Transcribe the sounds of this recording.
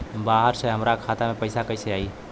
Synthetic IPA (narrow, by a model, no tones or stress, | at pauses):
baɦəɾsəɦəmɾakʰat̪amepəjsakəjsəai